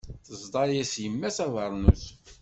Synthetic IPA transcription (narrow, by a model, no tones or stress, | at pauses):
θəzd̪ˤɑɾjæsjəmːæsæðˤəɾˤnus